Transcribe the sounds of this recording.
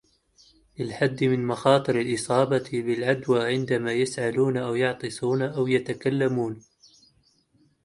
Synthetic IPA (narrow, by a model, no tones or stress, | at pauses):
lɪlħad̪ːmɪnmɑxɑːt̪ˤɨɾalʔɨsˤɑːbɑbɪlʕad̪waːʕɪnd̪amaːjasʕaluːnʔawjɑʕt̪ˤɨsˤuːnaʔawjat̪akalːamuːn